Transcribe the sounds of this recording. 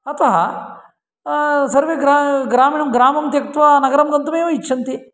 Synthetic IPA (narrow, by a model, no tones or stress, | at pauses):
ɐt̪ɐɦɐ̰ | sɐɾʋeɡɾaɡɾaːmiːɳɐmɡɾaːmɐmt̪jɐkɐt̪ʋɐnɐɡɐɾɐmɡ̪ɐnt̪umeːʋɐitːʃʰɐnt̪i